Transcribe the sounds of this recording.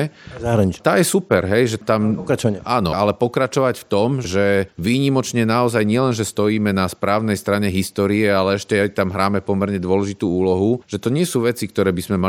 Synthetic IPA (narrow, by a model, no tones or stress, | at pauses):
aɦɾaɲit͡ʃt̪aːjɛsupɛɾɦɛjʒɛt̪amkat͡ʃaaːnɔ̰alɛpɔkɾat͡ʃɔʋacft̪ɔmʒɛʋiːɲimɔt͡ʃɲɛnaɔzajɲɪɛlɛnʒɛst̪ɔjiːmɛnaspɾaːʊnɛjst̪ɾaɲɛɦist̪ɔːɾiɛalɛɛʃcɛt̪amɦɾaːmɛpɔmɛɾɲɛd̪ʊɔlɛʒit̪uːuːlɔɦuʒ̥ɛt̪ɔɲɪɛsuːʋɛt͡sik̚t̪ɔɾɛːbizmɛma